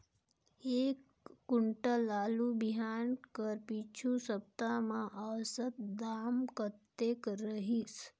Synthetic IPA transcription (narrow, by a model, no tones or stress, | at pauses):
eːkː | ʊɳʈəlaːlubiɦaːnkəɾpit͡ʃʰusəp̚t̪amãʔəsət̪̚d̪aːmkət̪ːekɾəɦis